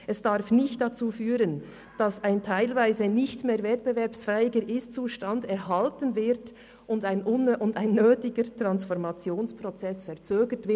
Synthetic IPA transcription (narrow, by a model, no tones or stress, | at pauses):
ʔɛsd̥aɾfnɪçtd̥at͡suːfyːʁən | d̥ɑsaɪntʰaɪlvaɪzənɪçtmeːɾvɛt̚pbevɛɐpsfɛːɪɡəɾʔɪst͡suːʃtɑndɛɾɦɑltənvɪɾt | ʔʊndaɪnʊnʔʊndaɪnːøːtɪɡətʁɑnsfɔʁmɑt͡sjoːnspʁɔt͡sɛsfɛɐt͡søːɡətv̥ɪ